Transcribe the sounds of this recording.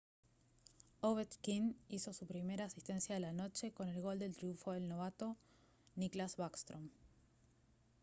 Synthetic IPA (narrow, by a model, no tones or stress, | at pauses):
oβet̪kiniso̞supɾime̞ɾaːsist̪e̞nsjaðelano̞t͡ʃe̞ko̞ne̞lɣo̞ld̪e̞lt̪ɾjuɱfoðe̞lno̞β̞at̪o̞ | niklazβakst̪ɾom